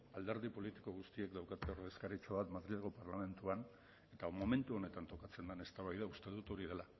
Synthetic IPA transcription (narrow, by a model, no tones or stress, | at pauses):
ald̪e̞ɾðipo̞lit̪i̥ko̞ɣust̪ie̞kd̪awkat̪eo̞ɾð̞e̞skaɾit͡ʃoβat̪maðɾiʎaɣo̞paɾlame̞nt̪uan | e̞t̪amo̞me̞nt̪uo̞ne̞t̪ant̪o̞kat͡se̞nd̪ane̞st̪aβajðaust̪e̞ðut̪o̞ɾiðe̞la